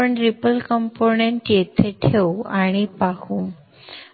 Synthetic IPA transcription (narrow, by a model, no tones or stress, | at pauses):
əɳɾipəlkəmponeɳʈjet̪ʰeʈʰeuaɽ̃ipakũː